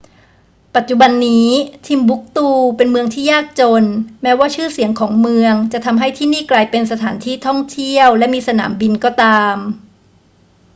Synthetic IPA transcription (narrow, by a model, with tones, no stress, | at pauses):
pa˨˩t̪̚t͡ɕu˨˩ba˧nːiː˦˥t̪ʰiː˧mbu˦˥k̚t̪uː˥˩pe˧nmɯ˧əŋt̪ʰiː˥˩jaː˥˩k̚t͡ɕo˧nmɛː˦˥waː˥˩t͡ɕʰɯː˥˩si˩˦əŋkʰɔː˩˦ŋmɯ˧əŋt͡ɕa˨˩ʔt̪ʰa˧mɦa˥˩jt̪ʰiː˥˩niː˥˩klaː˧jpe˧nsa˧t̪ʰaː˩˦nt̪ʰiː˥˩t̪ʰɔ˥˩ŋt̪ʰi˥˩əwlɛ˦˥miː˧sa˧na̰ː˩˦mbi˧nkɔː˥˩t̪aː˧m